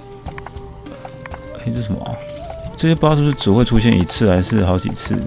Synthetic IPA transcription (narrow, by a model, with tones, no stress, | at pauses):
e˥˩ʈ͡ʂo˥˩ʂə˧˥m̰˩ʈ͡ʂɤ˥˩ɕjɛ˥pʂʂɻ̩˥˩ʈ͡ʂɻ̩˨˩xwe˥˩ɪʈ͡ʂʰu˥ɕ̬jɛ˥˩nḭ˨˩t͡sʰɹ̩˥˩a˧˥ɪʂɻ̩˥˩xɑ˧˥ʊt͡ɕḭ˨˩t͡sʰɹ̩̰˥˩